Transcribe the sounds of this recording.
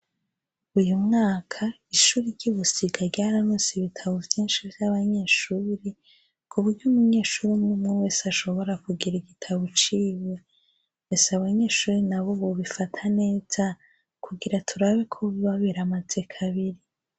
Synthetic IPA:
ujumŋaːkʰa | iʃuːɾiɾɟiβusiɡaɾɟaːɾamusiβitʰaβovjiːnʃivjaβaɲe̞ːʃuːɾi | kʰuβuɾɟuːmuɲe̞ːʃuːɾimŋimŋuwe̞ːsaʃo̞βo̞ɾakuɡiɾiɡitʰaβot͡ʃiwe | esaβaɲe̞ːʃuːɾinaβo̞βo̞βifatʰane̞ːz̥a | kuɡiɾatʰuɾaβekʰoβiβaβiɾamaze̞kʰaβiɾi

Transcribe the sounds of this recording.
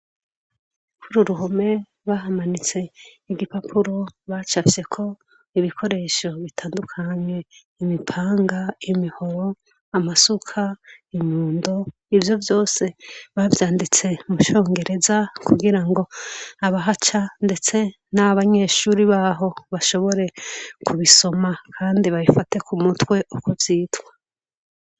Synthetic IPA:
kʰuɾuɾuɦome̞ | βaɦamanit͡se̞ | iɡipapʰuɾo̞βat͡ʃavje̞kʰo̞ | iβikʰo̞ɾe̞ːʃo̞βitʰaːndukʰaɲe̞ | imipʰaːŋɡaimiho̞ɾo̞ | amasukʰaiɲuːndo̞ | ivjo̞vjo̞ːse̞βavjaːndit͡se̞muʃo̞ːŋɡe̞ɾe̞zakuɡiɾaŋɡo̞aβaɦat͡ʃande̞t͡se̞ | naaβaɲe̞ːʃuɾiβaːɦo̞βaʃo̞βo̞ɾe̞kʰuβiso̞makʰaːndiβaβifate̞kumutwe̞ʔukovjiːtwḁ

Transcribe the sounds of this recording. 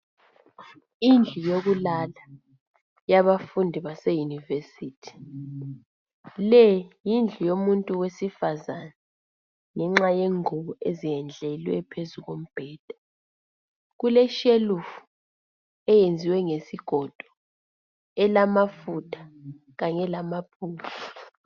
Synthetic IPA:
ind͡ɮʱujoɣulala | jaβafundʱiβasejunivesiːtʰi̥ | lɛjind͡ɮʱijomuntʼuwesifazana | ŋɛŋ͡ǁajeŋuβɔeziɛnd͡ɮʱɛlwɛ̰pʰezuɣom̩b̥ʱɛːd̥ʱa | ɣulɛʃelufu̥ | ɛjend͡zʱiwɛŋesiɡ̥ʱɔd̥ʱɔ | ɛlamafutʰḁ | ɣaɲɛlamapʰuːfa

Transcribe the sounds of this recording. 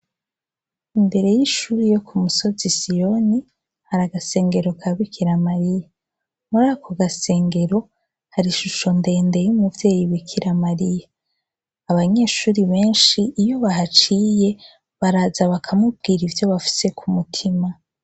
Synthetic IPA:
imbe̞ɾe̞jiʃuːɾijo̞kʰumuso̞zisijo̞ni | haɾaɡase̞ːŋɡe̞ɾo̞kʰaβikʰiɾamaɾija | muɾakʰoɡase̞ːŋɡe̞ɾo̞ | haɾiʃuʃo̞nde̞ːnde̞jumuvje̞ːjiβikʰiɾamaɾijaː | βaɲe̞ːʃuːɾiβe̞ːnʃiʔːjo̞βaɦat͡ʃije̞ | βaɾazaβakʰamub̚ɡiːɾivjo̞βafi̥se̞kʰumutʰima

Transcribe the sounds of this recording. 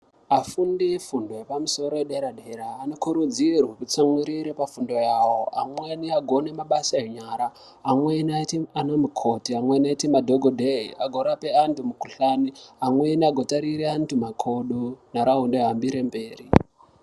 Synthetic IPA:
afundifundo̞jepamuso̞ɾojeɗeɾaɗeɾaːnokuɾud͡zirwaput͡samwiɾiɾepafundo̞jawoa̰mweniaɡʱo̞ne̞maɓasaɦeɲaːɾaː | mwenatianomukʰotiamwenaitimadʱoɡʱodʱeiaɡʱo̞ɾape̞antumukuɬaniamweniaɡʱotaɾiɾeantumakʰoɗunaɾaɦundeɦambiɾembe̞ːri

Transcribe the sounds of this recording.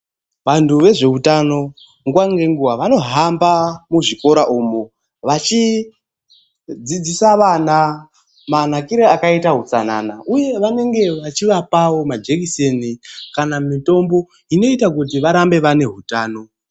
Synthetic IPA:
ʋantʰuʋe̞ʐe̞ɦutano̞ | ŋɡwaŋɡeŋɡuwaʋano̞ɦambamuʐiko̞ɾaʔumo | ʋat͡ʃi | d͡zid͡zisaʋana | manakiɾeakaitaɦut͡sana̰naʔuje̞ʋane̞ŋɡe̞ʋat͡ʃiʋapawomad͡ʒekisenikanamito̞mbo̞ | ino̞itakut̬iʋaɾambe̞ʋane̞ɦutaːno̞

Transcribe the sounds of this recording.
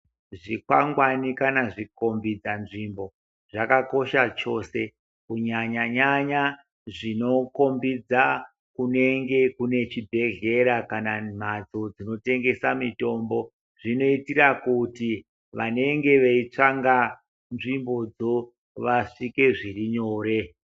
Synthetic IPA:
ʐikwaŋɡwanikanaʐiko̞mbid͡zanʐimbo̞ | ʐakako̞ʃat͡ʃo̞se̞ | kuɲaɲaɲaɲa | ʐino̞ko̞mbid͡za | kune̞ŋɡe̞kune̞t͡ʃibʱe̞ɮe̞ɾakanam̤ad͡zo̞d͡zino̞te̞ŋɡe̞samito̞mbo̞ | ʐino̞itiɾakuti | ʋane̞ŋɡe̞ʋeit͡ʂaŋɡa | nʐimbo̞d͡zo̞ | ʋaʂike̞ʐiriɲoːɾe̞

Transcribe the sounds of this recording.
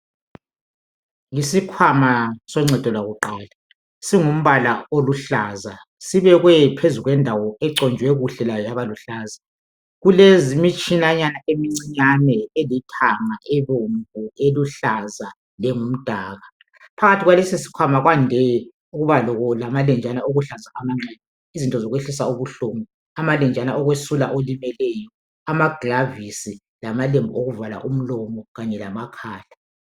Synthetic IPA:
ŋisikʰwamasɔŋ͡ǀʱɛd̥ʱɔlwaɣuǃaːla | siŋum̩βalaoluɬaːza | siβɛɣwɛpʰezuɣwɛndʱawɔɛǀɔnd͡ʒʱwɛɣuɬɛlajɔjaβaluɬaːza | ɣulezimit͡ʃʰʼinaɲanaʔemiŋ͡ǀiɲanɛelitʰaŋaʔɛβoɱvueluɬaza | lɛŋum̩d̥ʱaːɣa | pʰaɣatʰiɣwalesisi̥kʰamaɣwandʱɛjɛ | uɣuβalɔɣɔlamalɛnd͡ʒʱanaoɣuɬazaamaŋ͡ǀɛnɛ | izintʼɔzɔɣweɬis̬auβuɬoːmɔ | amalɛnd͡ʒʱanaɔɣwesula̰ʔolimɛlɛjɔ | amaɡ̥ʱravisi | lamalembʱuoɣuvala̰ʔum̩lɔmɔɣaɲɛlamakʰaːɬa

